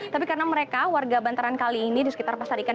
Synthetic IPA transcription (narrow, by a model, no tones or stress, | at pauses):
t̪ap̬ikaɾənaməɾekawarɡabant̪aɾankaliːnidisəkit̪arpasadika